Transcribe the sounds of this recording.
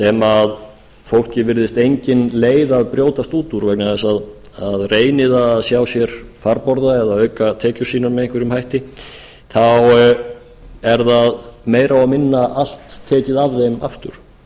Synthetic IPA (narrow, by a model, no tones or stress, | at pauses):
sɛmað | fowl̥cɪvɪɾðɪst̪ejɲcɪnleːjðaðpɾjoːwt̪ast̪uːt̪uɾvɛknaðɛsað | aðreːjnɪðasjawsjɛɾ̥faɾpɔɾðaɛðaœːɥkat̪ʰɛːcʏ̥siːnanmɛɪhŋkvʏɾʏmhajht̪ɪ | θaw | ɛɾðaðmeːjɾawamɪnːaʔal̥t̪ʰːɛːcɪðavðejma̰ft̪ʏ̰ɾ̥